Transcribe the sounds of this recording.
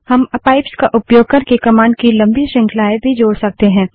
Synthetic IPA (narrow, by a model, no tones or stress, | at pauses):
hɐmɐpaːɪpskaʔʊpjoːɡ̚kəɾkekɐmãːɳɖkilɐ̃mbiʃɪ̃ŋkʰlaːebʱid͡ʒoːɽsɐk̚t̪eɦɛ̃ː